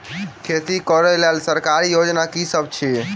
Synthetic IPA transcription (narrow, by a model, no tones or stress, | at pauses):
kʰet̪ikɔɾɛlelsəɾkaɾijod͡ʒnakisəb̚t͡ʃʰi